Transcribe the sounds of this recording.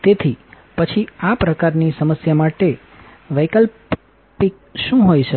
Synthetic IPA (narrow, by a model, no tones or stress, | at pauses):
t̪et̪ʰi | pət͡ʃʰiapɾəkaɾnisəməsjamaʈe | ʋəjkəl | pik̚ | ʃũɦojʃə